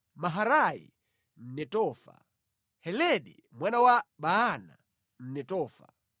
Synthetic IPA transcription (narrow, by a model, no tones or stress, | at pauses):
maɦaɾajḭ | m̩nɛtɔːfa̰ | hɛlɛɗḭ | mwanawaɓaːna̰ | m̩nɛtɔːfa̰